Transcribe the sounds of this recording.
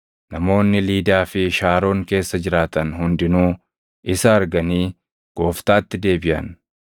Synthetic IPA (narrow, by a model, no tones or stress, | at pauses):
nɐmo̞ːnːɪliːd̪aːfɪʃaːɾo̞ːŋke̞ːsːɐd͡ʒɪɾaːt̪ɐnɦʊnd̪ɪnuː | ʔɪsɐːɾɡɐniː | ɡ̥o̞ːft̪aːt̪ːɪd̪e̞ːbɪʔɐ̰n